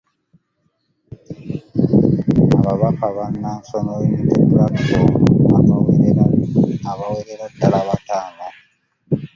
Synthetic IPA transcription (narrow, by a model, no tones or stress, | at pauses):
aβaβakaβanːansonojemitemulakkoβakaweɾeɾaaβaweɾeɾatːalaβataːma